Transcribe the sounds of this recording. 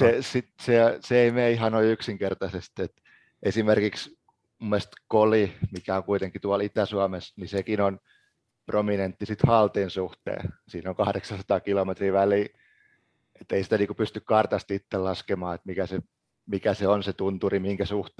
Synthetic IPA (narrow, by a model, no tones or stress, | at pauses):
sesit̪seseeimeːihɑnoiyksiŋkert̪ɑsest̪et̪ | ʔesimerkiks | mumːest̪kolimikæoŋkuit̪eŋkːˑit̪uɑlit̪æsuɑmesnisekinon | prominent̪ːisit̪hɑlt̪eːnsuht̪ḛːsiːnoŋkɑhɾeksɑsɑ̥t̪ɑkilomet̪riːʋæliː | et̪ːeisi̥t̪æniːŋkupyst̪ykkɑrt̪ɑst̪it̪ːellɑskemɑːet̪mikæse | mikæseonset̪unt̪urimiiŋkæsuht̪